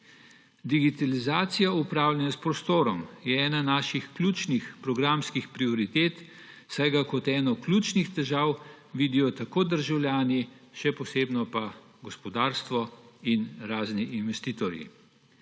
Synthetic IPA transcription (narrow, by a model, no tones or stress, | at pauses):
d̪iɡit̪alizaːt̪sijaupɾaːwlʲjʲɛnaspɾɔst̪oːɾɔmjɛɛːnanaːʃixklʲuːt͡ʃnixpɾɔɡɾamskixpɾiɔɾit̪eːt̪ | sajɡakɔt̪ɛːnɔklʲuːt͡ʃnixt̪ɛʒaːw | ʋiːd̪ijɔt̪akoːd̪əɾʒawlʲjaːni | ʃɛpɔseːbnɔpa | ɡɔspɔd̪aːɾst̪ʋɔinɾaːzniʔːnʋɛst̪iːt̪ɔɾjḭ